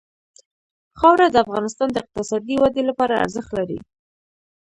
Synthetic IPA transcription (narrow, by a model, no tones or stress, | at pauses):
xɑwɾad̪əafɣɑnɪst̪ɑnd̪əɪq̚t̪ɪsɑd̪iwad̪elapɑɾaa̰ɾzəxt̪laɾḭ